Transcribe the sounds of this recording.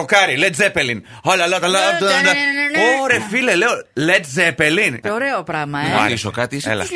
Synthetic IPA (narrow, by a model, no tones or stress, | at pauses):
okɐɾilet̪zepelin | olɐlɐt̪ɐlɐd̪ɐnɐoɾefileleolet̪̚zepelinoɾeopɾɐɣmɐoiso̰kɐt̪islɐ̰